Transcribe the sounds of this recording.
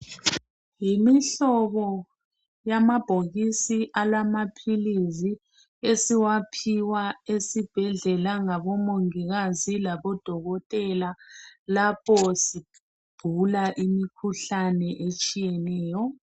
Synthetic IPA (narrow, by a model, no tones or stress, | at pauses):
jimiɬɔβɔ | jamab̥ʱoɣisiʔalamapʰilizi | esiwapʰiwaesib̥ʱɛɮɛlaŋaβɔmoŋiɣazilaβɔd̥ʱɔɣɔtʼɛlalapʰɔsi | b̥ʱulaʔimikʰuɬanɛʔet͡ʃʼijɛnɛːjɔ